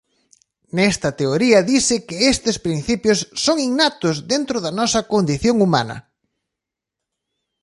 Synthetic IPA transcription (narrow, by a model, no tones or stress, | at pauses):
nɛst̪ɐt̪eoɾiɐðisɪkɪest̪ɪspɾin̟θipjosːoŋiŋnat̪ʊzðent̪ɾʊðɐnɔsɐkond̪iθjoŋuma̰nɐ̰